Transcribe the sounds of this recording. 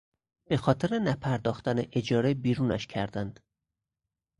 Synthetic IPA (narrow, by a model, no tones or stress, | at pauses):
b̥e̞xɒːt̪ʰeɾenæpʰæɾd̪ɒːxt̪æneʔed͡ʒɒːɾebiːɾuːnæ̰ʃcʰæɾd̪ænd̪̥